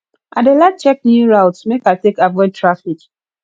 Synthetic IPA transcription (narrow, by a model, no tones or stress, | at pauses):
ʔadelad̚t͡ʃɛk̚niɹaʊtsmekaɪtekavɔɪd̚tʰɹafik